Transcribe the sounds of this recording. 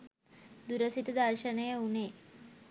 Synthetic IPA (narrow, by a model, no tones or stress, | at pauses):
d̪uɾəsit̪əd̪arʃənəjəuneː